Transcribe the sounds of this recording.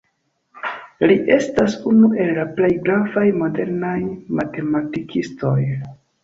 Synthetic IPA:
liʔe̞stasunuʔe̞lːaple̞jɡɾavajmo̞de̞ɾnajmate̞matikʰisto̞j

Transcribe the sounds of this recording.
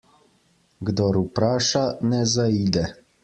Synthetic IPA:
ɡd̪ɔɾupɾaːʃanɛzaid̪ɛ

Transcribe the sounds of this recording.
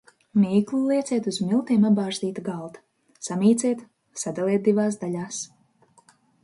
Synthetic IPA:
mʲiːklˠulˠiɛt̪sʲɛt̪uzmilˠt̪iɛmabbaːʒd̪iːt̪aɡalˠt̪ḁ | samiːt̪sʲiɛt̪ | sad̪alˠiɛt̪̚d̪ivaːsd̪aʎʲaːs

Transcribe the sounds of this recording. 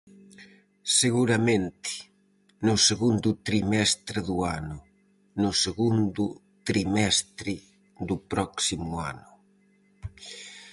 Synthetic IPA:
seɣuɾamẽnt̪ɪ̥ | nʊseɣund̪ʊt̪ɾimɛst̪ɾɪðuanʊ | nʊseɣund̪ʊ | t̪ɾimɛst̪ɾɪ | ðʊpɾɔksimua̰nʊ

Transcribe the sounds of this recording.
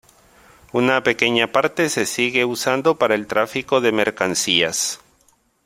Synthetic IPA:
unape̞ke̞ɲapaɾt̪e̞se̞siɣe̞usand̪o̞paɾaelt̪ɾafiko̞ðe̞me̞ɾkansia̰s

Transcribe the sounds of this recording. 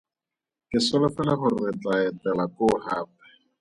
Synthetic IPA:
kɪsʊlʊfɛlaχʊrɪt͡ɬʼaɛtʼɛlakʊχaːpɛ̥

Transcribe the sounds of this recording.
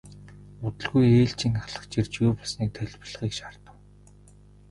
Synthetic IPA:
ʊt̪ə̆ɮɣujeːɬt͡ɕĭŋaχɮə̆χt͡ɕirt͡ɕɣuːpɔsniːk̚t̪ʰœɮʲp̆ɮʁiːkʃar̥t̪ə̆w

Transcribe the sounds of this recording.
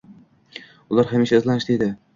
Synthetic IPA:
ʊlˠaɾhamɪʃaɪzlanɪʃd̪ed̪ɪ

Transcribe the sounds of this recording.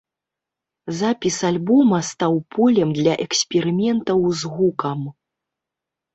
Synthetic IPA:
zapʲisalʲbɔmɐst̪awpʰɔlʲɛmd̪lʲɐʔɛksʲpʲɛɾɨmʲɛnt̪ɐwzɣukɐm

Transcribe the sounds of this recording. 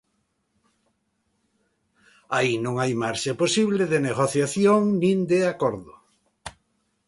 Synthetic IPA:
ainõŋajmaɾʃaposiβleðeneɣ̞oθjaθjoŋnĩnd̪eakoɾðʊ

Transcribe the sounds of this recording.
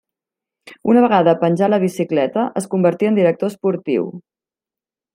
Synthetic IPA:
unəβəɣaðəpənʲʒaləβ̞isiklɛt̪əʔəskumbəɾt̪iənd̪iɾək̚t̪ospuɾt̪ḭw

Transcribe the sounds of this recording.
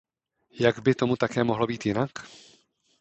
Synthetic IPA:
jaɡbɪt̪o̞mut̪akɛːmo̞ɦlo̞biːt̪jɪnak

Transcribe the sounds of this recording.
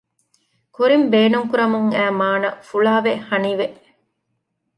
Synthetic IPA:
kuɾimbeːnuŋkuɾɐmuŋæːmaːnɐfuɭaːʋehɐniʋeʔ

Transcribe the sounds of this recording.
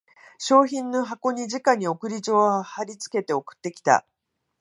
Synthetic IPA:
ɕo̞ːçĩnːo̞ɦako̞ɲ̟id͡ʑikaɲ̟io̞kɯ̟ɾʲid͡ʑo̞ːahaɾʲit͡sɨ̥ke̞t̪e̞okɯ̟̥t̪ːe̞kʲi̥t̪a̰

